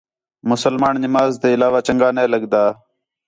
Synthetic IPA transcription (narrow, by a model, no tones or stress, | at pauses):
mʊsəlmaːnnɪmaːzt̪eːɪlaːʋaːt͡ʃəŋɡaːnẽːləɡd̪aː